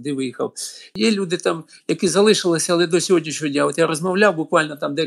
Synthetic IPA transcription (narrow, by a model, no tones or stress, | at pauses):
d̪ɪʋɪjixɐ̰wjɛlʲud̪ɪt̪ɑm | jɐkɪzɐlˠɪʃɪlˠɪsʲɐɐːlˠɛd̪ɔsʲɔɦodʲnʲiʃɔɔdʲnʲaot̪jaɾɔzmɐwlʲawbʊkʋɑlʲnɔt̪ɑmd̪ɛ